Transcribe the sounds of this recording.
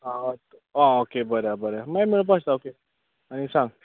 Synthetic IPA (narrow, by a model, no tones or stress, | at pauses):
at̪aokebəɾabəɾamajmiɭũp̬ãst̪aoke | añisãŋɡ